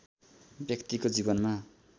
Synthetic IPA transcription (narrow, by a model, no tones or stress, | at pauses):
bjʌkt̪ikod͡zibʌnma